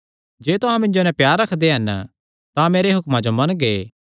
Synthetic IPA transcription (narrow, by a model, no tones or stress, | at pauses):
d͡ʒeːt̪ʊɦãmɪ̃nd͡ʒonɛ̃pjaːɾːɐkʰd̪eɦɐn | t̪ãmeːɾeɦʊkmãd͡ʒomɐnɡeː